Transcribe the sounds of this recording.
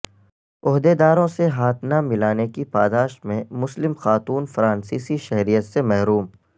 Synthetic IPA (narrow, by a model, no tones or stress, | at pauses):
ʊɦd̪ed̪aːɾõseɦaːt̪ʰnamɪlaːnekipaːd̪aːʃt̪mẽmʊslɪmxaːt̪uːnfɾãːnsiːsiʃɛɦɾijət̪semɛɦɾuːm